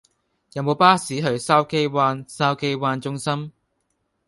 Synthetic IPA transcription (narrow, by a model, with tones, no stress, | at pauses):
jɐ˨˧wmo˨˧wpaː˥siː˨˥ɦɵ˧ɥsaː˥wke˥jwaː˧nsaː˥wke˥jwaː˧nt͡ʃʊ˥ŋsɐ˥m